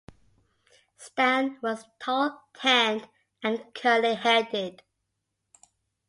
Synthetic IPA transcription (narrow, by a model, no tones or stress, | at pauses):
spæ̃nwʌz̥tʰɔlˠtʰɛ̃nd | ə̃nkʰɜ˞liɦɛdɪd̥